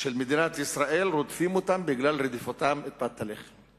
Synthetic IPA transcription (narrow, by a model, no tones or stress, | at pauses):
ʃelmed̪inat̪isɾaʔelɾot̪fimot̪ambiɡlalɾed̪ifot̪amet̪̚bat̪ːaleχem